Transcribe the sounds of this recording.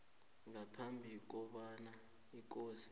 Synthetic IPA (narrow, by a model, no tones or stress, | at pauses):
ŋapʰambʱik̬ɔɓana | ik̬ʼoːsi̥